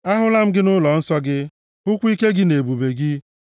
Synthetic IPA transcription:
a˦ɦʊ˦la˦m̩˦ɡɪ˦nʊ˦lɔ˨n̩˦sɔ˦ɡɪ˦ | ʊ˦kʷi˦ke˦ɡɪ˦ne˨bu˨be˨ɡi˦

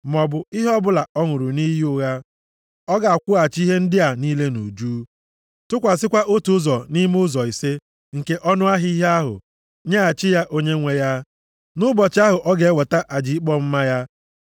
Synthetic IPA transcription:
mɔ˨bʊ˨i˦ɦɔ˦bʊ˦la˨ɔ˦ŋʊ˨ɾʊ˨ni˦jʊ˦ɣa˦ | ɔ˦ɡa˨a˨kʷʊ˦a˨t͡ʃi˦ɦe˦n̩˦dɪ˦a˨ni˦le˦no˨d͡ʒuː˦ | tʊ˦kʷa˨sɪ˦kʷa˦ʔo˦tu˨˦zɔ˨ni˦m˦ʊ˦zɔ˨i˨se˦ | ŋ̩˨ke˦ʔɔ˦nʊ˦a˦ɦi˦i˦ɦe˦a˦ɦʊ̰˨ | ɲa˦a˨t͡ʃɪ˦ja˦ʔo˦ɲe˦ŋʷe˦ja˦ | nʊ˦bɔ˨t͡ʃɪ˦a˦ɦʊ˨ʔɔ˦ɡe˨e˦wɔ˨ta˦ʔa˨d͡ʒi˨i˦k͡pɔ˦m̩˦ma˦ja˦

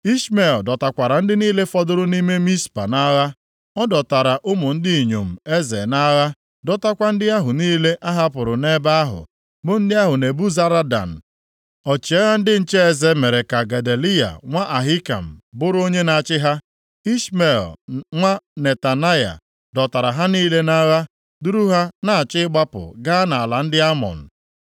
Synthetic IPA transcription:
i˦sme˨ldɔ˨ta˨kʷa˨ɾa˨n̩˦dɪ˦niː˦le˦fɔ˦dʊ˦ɾʊ˦ni˦me˦mi˦spa̰˨na˦ɣa˦ | ɔ˦dɔ˨ta˨ɾa˨ʔʊ˦mʊ˨n̩˦dɪ˦i˨ɲo˨m̩˨e˦zḛ˨na˦ɣa˦ | dɔ˨ta˦kʷa˦n̩˦dɪ˦a˦ɦʊ˨niː˦le˦ʔa˦ɦa˦pʊ˨ɾʊ˨ne˦ba˦a˦ɦʊ̰˨ | bʊ˦n̩˦dɪ˦a˦ɦʊ˨ne˨bu˦za˦ɾa˦da̰˨n̩˨ | ɔ˨t͡ʃi˨a˦ɣa˦n̩˦dɪ˦n̩˦t͡ʃe˦e˨ze˦me˨ɾe˨ka˨ɡa˨de˨li˦ja̰˨ŋʷa˦ʔa˨ɦi˦ka̰˨m̩˨bʊ˦ɾo˦ɲe˦na˨t͡ʃɪ˦ɦa˦ | i˦ʃme˨lŋʷa˦ne˨ta˨na˦ja̰˨ | dɔ˨ta˨ɾa˨ɦa˦niː˦le˦na˦ɣa˦ | du˦ɾu˦ɦa˦na˦a˨t͡ʃɪ˦ɡ͡ba˦pʊ̰˨ɡa˦na˨la˨n̩˦dɪ˦a˦mɔ̰˨n̩˨

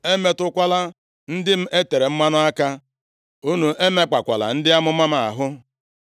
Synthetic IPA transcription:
e˦me˦tʊ˦kʷa˦la˦ | n̩˦dɪ˦m̩˦ʔe˦te˨ɾe˨m̩˦ma˦nʊ˦a˦ka˦ | u˦nu˨ʔe˦me˦k͡pa˨kʷa˨la̰˨n̩˦dɪ˦a˦mʊ˦ma˦m˦a̰˨ɦʊ˦

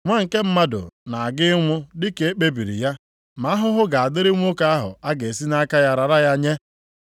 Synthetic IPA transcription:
ŋʷa˦ŋ̩˨ke˦m̩˦ma˦dʊ̰˨na˨a˨ɡɪ˦ŋʷʊ˦dɪ˦ke˨˦e˦k͡pe˦bi˨ɾḭ˨ja˦ | ma˨˦ɦʊ˦ɦʊ˦ɡa˨a˨dɪ˦ɾɪ˦ŋʷ˦o˦ka˦a˦ɦʊ̰˨a˦ɡe˨si˦na˦ka˦ja˦ɾa˨ɾa˦ja˦ɲe˦

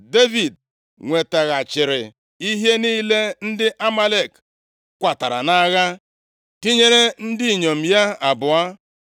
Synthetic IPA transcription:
de˦vi˨d | ŋʷe˨ta˨ɣa˨t͡ʃɪ˨ɾɪ˨ | i˦ɦe˦niː˦le˦n̩˦dɪ˦ʔa˦ma˦le˨k | kʷa˨ta˨ɾa̰˨na˦ɣa˦ | ti˦ɲe˦ɾe˦n̩˦di˦˨ɲo˨m̩˨ja˦a˨bʊ˨a˦

